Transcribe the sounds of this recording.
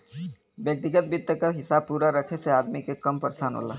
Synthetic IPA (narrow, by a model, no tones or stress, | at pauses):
bjək̚t̪ɪɡət̪̚bit̪ːəkaɦɪsaːb̚puːɾaɾɐkʰeseaːd̪mikekɐmpəɾsaːnɦo̰ːla̰ː